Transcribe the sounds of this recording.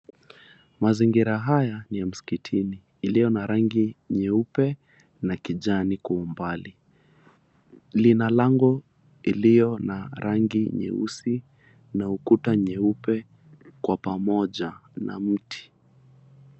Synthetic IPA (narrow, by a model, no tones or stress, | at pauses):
maziŋɡiɾaɦajanijam̩skitʰiniːlijɔnaɾaŋɡiɲɛupɛ | nakiʄanikuːmbali | linalaŋɡɔ | ilijɔnaɾaŋɡiɲɛ̰ṵsi | naukutaɲɛupɛ | kwapamɔʄana̰m̩tʰi̥